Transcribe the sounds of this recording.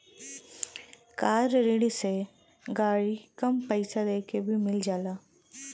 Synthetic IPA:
kaːɾɾɪɽise | ɡaːɽikɐmpəɪsad̪eːkebʱimɪld͡ʒaːlaː

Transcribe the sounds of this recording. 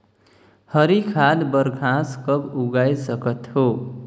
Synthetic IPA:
hʌɾikʰad̪bʌɾɡʱãskʌbuɡajsʌkʌt̪ho

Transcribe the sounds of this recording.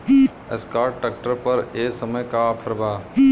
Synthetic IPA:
i | ḛskaːɾʈʈːək̚ʈəɾpɐɾeːsəməjkapʰəɾbaː

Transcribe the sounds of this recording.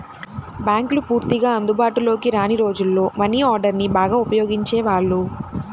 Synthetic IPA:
bjaːŋklupuːɾt̪iɡaːɐnd̪ubaːʈulo̞ːkiɾaːniɾo̞ːd͡ʒulːo̞ːmɐniːaːɾɖɐɾnibaːɡaːupɐjo̞ːɡiɲt͡ʃe̞ːʋaːɭːu

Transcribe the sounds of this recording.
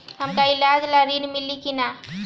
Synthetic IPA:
həmkailad͡ʒlaɾinmilːikina

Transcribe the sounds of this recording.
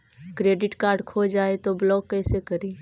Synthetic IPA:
kɾeːɖɪʈkaːɾɖkʰoːd͡ʒaːet̪oblɔːɡ̚kɛːsekɐɾiː

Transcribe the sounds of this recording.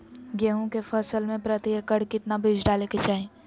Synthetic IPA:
ɡeːɦõkefəsəlmẽpɾət̪iekəɽkɪt̪nabʱɪd͡ʒɖaːleket͡ʃaːɦẽː

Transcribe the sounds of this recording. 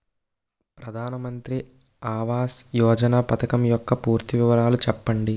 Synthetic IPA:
pɾɐd̪ʱaːnɐmɐnt̪ɾi | aːʋaːsjɔːd͡ʒɐnaːpɐt̪ʰɐkɐmjɔkːɐpuːɾt̪iʋiʋɐɾaːlut͡ʃɛpːɐɳɖi

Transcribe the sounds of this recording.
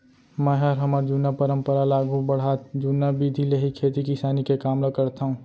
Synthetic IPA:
mɛɦaɾɦəmaːɾd͡ʒuːnapəɾə̃mpəɾalaːɡubəɽ̤aːt̪d͡ʒuːnabid̪ʱileɦikʰeːt̪ikisaːnikekaːmlakəɾt̪aɦũː

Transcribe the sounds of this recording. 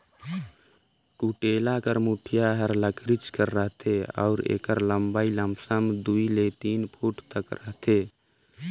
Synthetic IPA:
kuʈelakəɾmuʈʰijaɦəɾləkʰɾit͡ʃkəɾːəɦt̪ʰeɔ̰ʊɾḛːkəɾləmbailəmsəmd̪uilet̪inpʰuʈt̪əkɾəɦt̪ʰe

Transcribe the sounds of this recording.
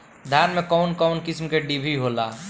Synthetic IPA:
d̪ʱjaːɾmẽkɔʊnkɔʊnkɪsmkeɖibʱiɦolaː

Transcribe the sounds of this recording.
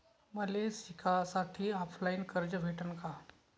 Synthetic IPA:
məlesikʰasaʈʰiːɔpʰlainkəɾd͡ʑəʋʱeʈənka

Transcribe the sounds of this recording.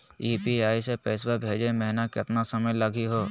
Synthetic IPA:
iːpiaːisepɛːswabʱeːd͡ʒẽmɛɦnakɪt̪nasɐməjlaɡiɦoː

